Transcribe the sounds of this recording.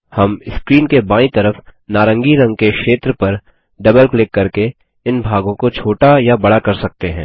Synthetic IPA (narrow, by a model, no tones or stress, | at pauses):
hɐmɪskɾiːnkebãːĩt̪ɐɾəfnaːɾə̃ŋɡiɾɐ̃ŋɡ̚kekʃeːt̪ɾəpɐɾ | ɖɐbəlklɪkːɐɾke | ɪnbʱaːɡõkot͡ʃʰoːʈajabɐɽakɐɾsɐk̚t̪eɦɛ̰̃ː